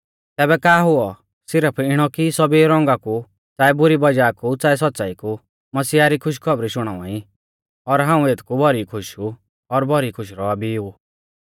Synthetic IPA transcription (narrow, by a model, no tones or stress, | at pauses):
t̪ɛːbɛkaːɦʊɔ | sɪɾəpʰɪɽ̃ɔkisɔbiɾɔ̃ŋɡaku | t͡saːɛbʊɾibɐd͡ʒaːkut͡saːɛs̬ɔt̪ːt͡saiku | mɐsiːaɾikʰʊʃ̬kʰɔbɾiʃʊɽ̃a̰ːã̰i | ɔɾɦãːũeːt̪ʰkubʱɔɾikʰʊʃu | ɔɾbʱɔɾikʰʊʃ̬ɾɔabiu